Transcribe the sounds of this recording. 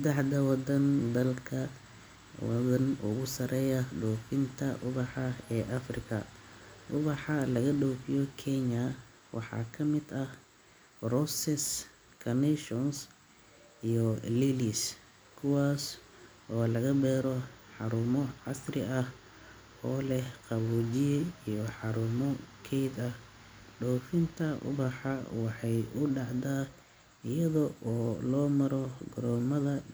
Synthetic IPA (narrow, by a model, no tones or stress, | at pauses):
sɛd̪ɛħd̪ɐwɑd̪ɐnd̪ɐlkʰɐ | wɑ̰ðɐnʊ̰ɣʊsɐɾɛːjɐɖɔːfɪnt̪ʰɐʔʊβɑħɑɛːʔɐfrɪkʰɐ̰ʔʊβɑħɑlɐɣɐɖɔːfɪjɔkʰɛɲɐ | wʔɑ̰ħɑ̰ːkʰɐmɪd̪ɐh | rɔsɛs | kʰɐnɛʃɔns | ijɔlilis | kʰʊwaːs | ʔɔːlɐɣɐbɛːɾɔħɑɾʊmɔʕɑsrɪ̰ɐh | ɔːlɛhqɑβuːd͡ʒɪjɛijɔħɑɾʊmɔkʰɛjd̪ɐh | ɖɔːfɪnt̪ʰɐʔʊ̰bɑħɑwɑħɑjʊɖɑʕd̪aː | ɪjɐðɔʔɔːlɔːmɐɾɔɡɔɾɔːmɐðɐ